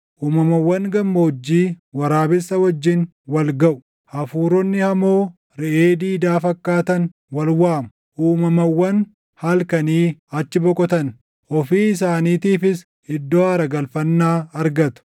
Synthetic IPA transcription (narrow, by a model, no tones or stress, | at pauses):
ʔuːmɐmɐwːɐŋɡɐmːɐɔd͡ʒːiːwɐɾaːbɪsɐwɐd͡ʒːɪn | wɐlɡɐʔʊ̥ | ʔɐfuːɾɔnːɪhɐmoː | ɾɛʔeːd̪iːd̪aːfɐkːaːt̪ɐn | wɐlwaːmʊ̥ | ʔuːmɐmɐwːɐn | hɐlkɐniːɐt͡ʃːɪbɔkʼɔt̪ɐn | ʔɔfiːɪsaːniːt̪iːfɪs | hɪd̪ːɔaːɾɐɡɐlfɐnːaːɐɾɡɐt̪ʊ̥